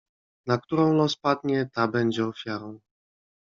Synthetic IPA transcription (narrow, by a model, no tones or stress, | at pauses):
nak̚t̪uɾɔ̃w̃lɔspad̪ɲɛt̪abɛɲd͡ʑɛɔfʲjaɾɔ̃w̃